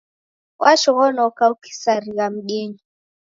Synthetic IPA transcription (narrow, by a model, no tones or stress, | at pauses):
wʔaʃɔɣɔnɔkauki̥saɾiɣam̩ɡɛɲi